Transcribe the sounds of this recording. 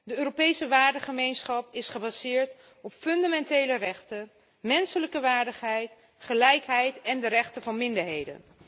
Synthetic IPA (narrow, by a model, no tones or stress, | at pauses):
dəøːropejsəʋaːɹdəχəmejnsχɑpɪsχəbazɪːɹt | ɔpfɵndamɛntejlərɛχtə | mɛnsələkəʋaːɹdəχɦɛjt | χəlɛjkɦɛjtɛndəɾɛχtəvɑnmɪndəɹɦejdə̰n